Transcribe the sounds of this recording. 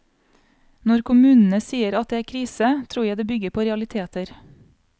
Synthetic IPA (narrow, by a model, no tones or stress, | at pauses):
nɔɾkʰʊmʉːnn̩əsiːəɾɑt̪̚d̪eːæːɾkʰɾiːsət̪ʰɾuːjæɪd̪eːbʏɡəɾpʰoːɾɛɑlɪt̪ʰeːt̪əɾ